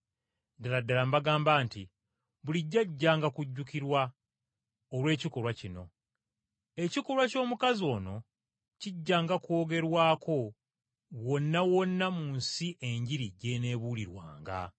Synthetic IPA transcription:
daladːalambaɡaːmbaːnti | βuliɟːaɟːaːŋɡakuɟːukiɾwa | olwe̞ːciko̞ɾwacino̞̰ | e̞ciko̞ɾwaco̞ːmukazio̞ːno̞ | ciɟːaːŋɡako̞ːɡe̞ɾwaːkʰo̞ | wo̞nːawo̞nːamunsiʔe̞ɲɟiɾiɟe̞ne̞ːβuːliɾwa̰ːŋɡa̰

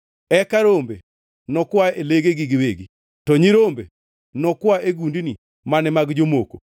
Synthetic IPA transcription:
ɛkaɾombḛ | nɔkwaeleɡeɡiɡiweɡi | tɔɲiɾombḛ | nɔkwaʔeɡundini | manɛmaɡd͡ʒomoko

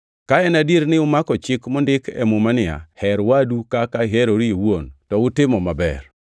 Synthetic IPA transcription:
kaɛnadiɾnɪʊmakɔt͡ʃɪkmɔndɪkɛ̰mʊmanɪa̰hɛɾwadukakaɦeɾoɾiewontɔʊtɪmɔmabɛ̰r

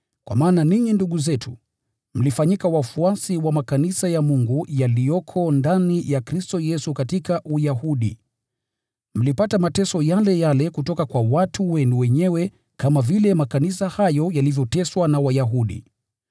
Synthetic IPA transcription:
kwa̰maːnaniɲinduɠuzɛtʰṵ | m̩lifaɲikawafuasiwamakanisajamuŋɡujalijɔkʰɔndanijakɾistɔjɛsukatikaʔujaɦuɗḭ | m̩lipatamatɛsɔjalɛjalɛkutɔkakwawatuwɛnuwɛɲɛwɛ | kamavilɛmakanisahajɔjalivjɔtɛswanawajaɦuɗḭ

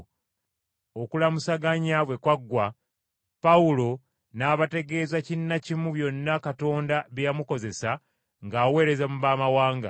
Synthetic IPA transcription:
okulamusaɡaɲaβwe̞kwaɡːwa | pawulo̞ | naːβate̞ɡe̞ːzacinːacimuβjo̞nːakato̞ːndaβjjamuko̞ze̞sa | ŋɡaːwe̞ːɾe̞zamuβaːmawaːŋɡa̰

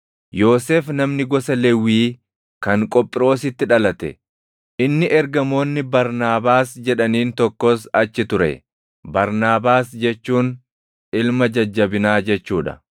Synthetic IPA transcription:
jo̞ːseːfnɐmnɪɡɔsɐlɛwːiː | kɐŋkʼɔpʼɪɾo̞ːsɪt̪ːɪᶑɐlɐt̪ɛ̰ | ʔɪnːɪʔɛɾɡɐmo̞ːnːɪbɐɾnaːbaːsd͡ʒɛᶑɐniːnt̪ɔkːɔsɐt͡ʃːɪt̪ʊɾɛ̰ | bɐɾnaːbaːsd͡ʒɛt͡ʃːuːn | ɪlmɐd͡ʒɐd͡ʒːɐbɪnaːd͡ʒɛt͡ʃːuːᶑɐ̥̰

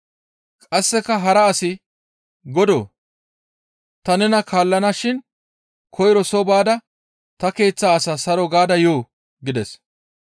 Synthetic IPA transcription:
kʼɐsːɛkɐɦɐɾɐːsɪ | ɡɔd̪o̰ː | t̪ɐnɛnɐkʰaːlːɐnaʃɪn | kʰɔjɾɔsɔbaːd̪ɐ | t̪ɐke̞ːt͡sːaːsaːsɐɾɔɡaːd̪ɐjoː | ɡɪd̪ɛs

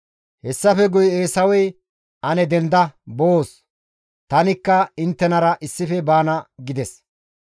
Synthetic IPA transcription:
hɛsːɐfɛɡʊjeːsɐwɛj | ʔɐnɛd̪ɛnd̪ɐboːs | t̪ɐnɪkːɐɪnt̪ːɛnɐɾɐʔɪsːɪfɛbaːnɐɡɪd̪ɛs

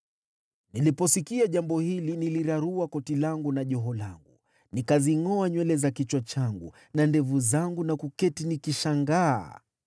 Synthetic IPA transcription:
nilipɔsikiaʄambɔhiliniliɾaɾuakɔtilaŋɡunaʄɔɦɔla̰ŋɡu | nikaziŋɔaɲwɛlɛzakit͡ʃwɔt͡ʃaŋɡṵ | nandɛvuzaŋɡunakukɛtinikiʃaŋɡa̰ː

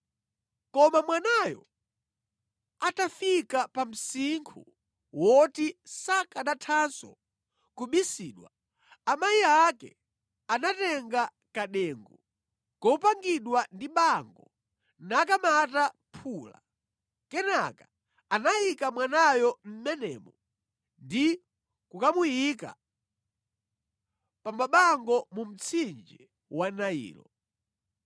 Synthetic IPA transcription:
kɔmamwanajɔ̰ | atafikapam̩siŋkʰṵ | wɔtisakaɗatʰansɔ̰ | kuɓisiːɗwa̰ | amajiakɛ̰ | anatɛŋɡa | kaɗɛːŋɡu | kɔpaŋɡiɗwandiɓaŋɡɔ | nakamata | pʰuːla̰ | kɛna̰ka | anaikamwanajɔm̩mɛnɛ̰ːmɔ | ndi | kukamujika̰ | pamaɓaŋɡɔmum̩t͡sʰind͡ʒɛ | wanaḭːlɔ̰

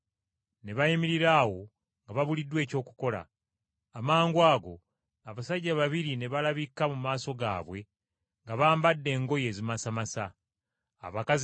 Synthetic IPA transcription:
ne̞βajimiɾiɾaːwo̞ | ŋɡaβaβulidːwe̞ːco̞ːku̥ko̞la̰ː | maːŋɡwaːɡo̞̰ | aβasaɟːaβaβiɾine̞βalaβikːamumaːso̞ɡa̰ːβwe̞ | ŋɡaβaːmbadːe̞ːŋɡo̞je̞ːzimasamasa | a̰βakaz

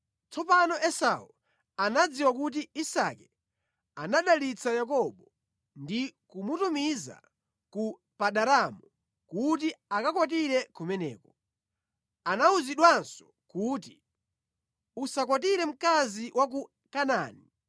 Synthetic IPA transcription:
t͡sɔpanɔʔɛsa̰u | anad͡ziwak̬ut̬iisakɛ | anaɗalit͡sajak̬ɔɓɔ | ndikumutumiza̰ | ku | paɗaɾamu | kut̬iakakwat̬iɾɛkumɛnɛ̰ːkɔ | anauziɗwansɔ̥ | kut̬i | usak̬wat̬iɾɛm̩kaziwak̬u | kanaːni

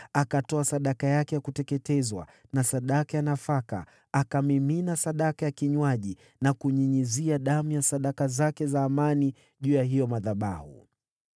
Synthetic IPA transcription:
akatɔasaɗakajakɛjakutɛkɛtɛzwa̰ | nasaɗakajanafaka̰ | akamiminasaɗakajakiɲwaʄi | nakuɲiɲiziaɗamujasaɗakazakɛzaːmani | ʄuːjaɦijɔmaðaɓa̰hṵ

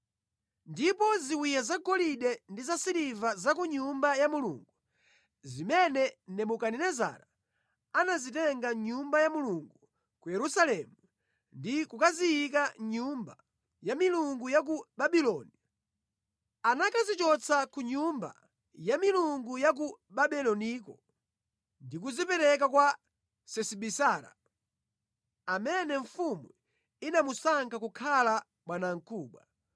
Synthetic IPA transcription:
ndipɔziwijazaɡɔliɗɛndizasiɾivazakuɲumbajamulṵŋɡu | zimɛnɛnɛmukaninɛza̰ɾa | anazitɛŋɡaɲumbajamuluŋɡu | kujɛɾusalɛmu | ndikukazijik̬aɲumba | jamiluŋɡujak̬uɓaɓilɔni | anakazit͡ʃɔt͡sakuɲumba̰ | jamiluŋɡujak̬uɓaɓilɔnikɔ̰ | ndik̬uzipɛɾɛk̬akwa | sɛsiɓisaːɾa̰ | amɛnɛɱfumu | inamusaŋkakukʰala | ɓwanaŋ̩kʰuːɓwa̰

